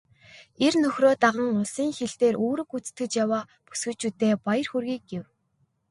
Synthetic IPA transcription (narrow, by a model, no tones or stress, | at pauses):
ernɵxʲroːt̪aʁə̆ŋʊɮsiːŋxeɮt̪eːɾʔoːɾɵ̆kut͡st̪ɘ̆t͡ɕjawaː | pu̥sɣɵ̆ɮt͡ɕuːt̪eːpajə̆rxurɣʲiːk̚ɡew